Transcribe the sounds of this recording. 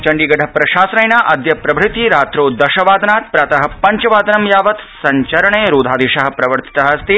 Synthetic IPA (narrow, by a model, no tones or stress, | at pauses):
t͡ʃɐɳɖiːɡɐɖʱɐpɾɐʃaːsɾɐjnaːʔɐd̪jɐpɾɐbʱɾɪt̪iɾaːt̪ɾoːd̪ɐʃɐʋaːd̪naːt̪̚pɾaːt̪ɐɦɐ̆pɐɲt͡ʃɐʋaːd̪ɐnɐmjaːʋɐt̪sɐɲt͡ʃɐɾɐɳeːɾuːd̪ʱaːd̪iːʃɐɦɐ̆pɾɐʋɐɾt̪i̥t̪ɐɦɐ̆ɐst̪i